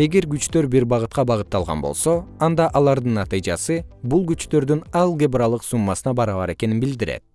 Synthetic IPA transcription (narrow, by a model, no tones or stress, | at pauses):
e̞ɡe̞ɾɡyt͡ʃt̪ø̞ɾbiɾbɑʁɯt̪̚qɑbɑʁɯt̪ːɑlˠʁɑ̰nbo̞lˠso̞ɑnd̪ɑʔɑlˠɑɾd̪ɯnːɑt̪ɨjd͡ʒɑsɯbulˠɡyt͡ʃt̪ø̞ɾd̪ynɑlˠɡʲebrɑlˠɯqsumːɑsɯnɑbɑɾɑβɑɾe̞ke̞ninbild̪iɾe̞̰t̪̚